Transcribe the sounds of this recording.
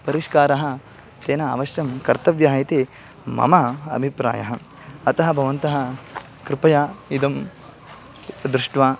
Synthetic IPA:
pɐɾiʃkaːɾɐɦɐ̆ | t̪eːnɐa̰ːʋɐʃjɐmkɐɾt̪ɐʋjaːɦit̪i | mɐ̰mɐɐ̰bʱipɾa̰ːjɐɦɐ | ɐt̪ɐɦɐbʱɐʋɐnt̪ɐɦɐ | kɾɪpɐjaːid̪ɐm | d̪ɾuʂʈʋaː

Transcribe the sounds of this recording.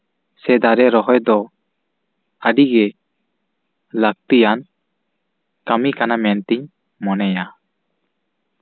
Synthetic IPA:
sɛd̪aɾɛɾɔɦɔjd̪ɔ | əɖiɡɛ | lak̚t̪ijan | kamikanamɛnt̪iɲ | mɔnɛja

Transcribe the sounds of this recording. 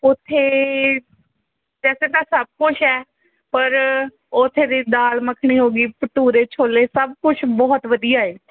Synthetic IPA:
ʊt̪ʰːeː | d͡ʒɛːsẽːt̪ãːsəb̚kʊt͡ʃʰɛː | pəɾ | ʊt̪ʰːeːd̪iːd̪aːlməkʰɳ̃iːɦoːɡiːpəʈuːɾeːt͡ʃʰoːleːsəb̚kʊt͡ʃʰbɔːt̪ʋəd̪ijaːeː

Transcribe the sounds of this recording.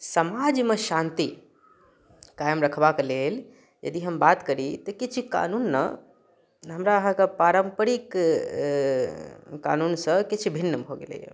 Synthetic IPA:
səmad͡ʒmeʃãnt̪i | kajmɾəkʰbaklel | jə̰d̪iɦəmbat̪kəɾit̪ɔkit͡ʃʰka̰nunːə̰ | ɦəmɾaɦãkepaɾəmpəɾik | ka̰nunsə̃kit͡ʃʰbʱinːəbʱoɡḛlḛjə̰

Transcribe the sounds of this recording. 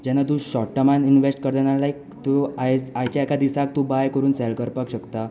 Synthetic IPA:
d͡ʑanat̪̬ũɕɔʈːəmaninʋesʈkəɾd̪analaik | t̪uajajt͡ɕjaɛkad̪isak̚t̪ũbajkəɾuːnsɛlkəɾpakɕəkt̪a

